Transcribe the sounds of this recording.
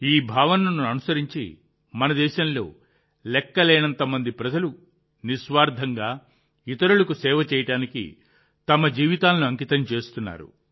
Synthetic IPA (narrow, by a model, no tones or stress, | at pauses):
iːbʱaːʋɐnɐnuɐnusɐɾiɲt͡ʃḭ | mɐnɐd̪ɛːʃɐmlo̞̰ː | lɛkːɐlɛːnɐnt̪ɐmɐnd̪ipɾɐd͡ʒɐlu | niʃʋaːɾd̪ʱɐŋɡaː | it̪ɐɾulɐkusɛːʋɐt͡ʃɛːjɐʈaːnikḭ | t̪ɐmɐd͡ʒiːʋit̪aːlɐnuɐŋkit̪ɐmt͡ʃe̞ːst̪unːa̰ːɾṵ